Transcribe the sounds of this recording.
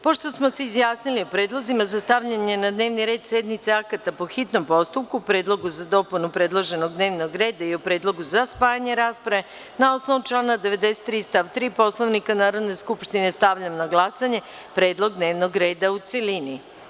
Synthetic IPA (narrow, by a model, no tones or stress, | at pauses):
po̞ʃt̪o̞smoseizjaːsniliupɾed̪lˠozimazast̪aʋʎaɲe̞nad̪neːʋniɾe̞ːd̪sed̪mit̪seakat̪apo̞xit̪no̞mpo̞st̪upkuupɾe̞ːd̪lˠo̞ɡuzad̪o̞punupɾe̞d̪lˠoʒe̞no̞ɡ̚d̪ne̞ːʋno̞ɡɾe̞ːd̪aiupɾe̞ːd̪lˠo̞ɡuzaspaːjaɲe̞ɾaːspɾae | nao̞sno̞ʋut͡ʃlˠaːnad̪e̞ʋe̞d̪eset̪ːɾiːst̪aʋt̪ɾiːpo̞slˠoʋnikanaːɾo̞d̪ne̞skupʃt̪ine̞st̪aʋʎamnaɡlˠasaɲe̞ | pɾe̞ːd̪lˠo̞ɡd̪ne̞ːʋno̞ɡɾe̞ːd̪aut̪se̞lini